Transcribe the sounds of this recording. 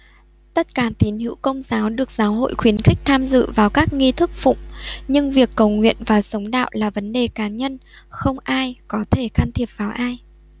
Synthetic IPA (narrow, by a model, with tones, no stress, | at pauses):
t̪ə˦˥t̚kaː˧˩t̪i˨˦nhḭ˧˥wkə˧wŋ͡mzaː˨˦wɗɨ˨˩ək̚zaː˨˦wɦo̰˧˨jxwi˨˦ənxï˦˥k̚t̪ʰaː˧mzɨ̰˧˨vaː˨˩wkaː˦˥k̚ŋi˧t̪ʰɨ˦˥k̚fʊ̰˧˨ŋ͡mɲɨ˧ŋvi˨˩əkːə˨˩wŋwḭ˧˨ənvaː˨˩sə˨˦wŋ͡mɗa̰ː˧˨wlaː˨˩və˨˦nɗe˨˩kaː˨˦ɲə˧nxə˧wŋ͡mʔaː˧jkɔ˨˦t̪ʰe˧˩xaː˧nt̪ʰi˨˩əp̚vaː˨˩wʔaː˧j